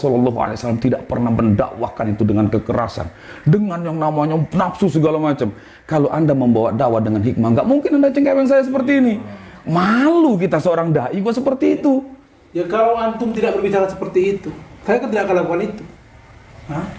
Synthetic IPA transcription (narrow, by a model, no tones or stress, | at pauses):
sɔlɔlːɔɦua̰lejsalamt̪idaʔ̚pərnahbənda̰ʔwa̰hkanit̪udəŋankəkəɾa̰sa̰n | dəŋanjaŋnamaɲanapsusəɡalamat͡ʃam | kaloʔandaməmbawa̰dawadəŋanɦik̚maŋɡaʔmuŋkɪnandat͡ʃaŋkawɛŋs̬ajas̬əpərt̪iːni | maluk̬it̪asəoɾaŋdaʔiɡuaʔsəpərt̪iːt̪u | jakalawant̪ʊmt̪idaʔk̚bərbit͡ʃaɾasə̥pərt̪iːt̪usajakənt̪idaʔkaəlakuanit̪u̥ | a